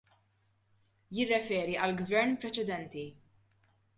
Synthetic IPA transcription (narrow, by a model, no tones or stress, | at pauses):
jɪrːɛfɛːɾiʔɐlɡvɛɾnpɾɛt͡ʃɛd̪ɛnt̪i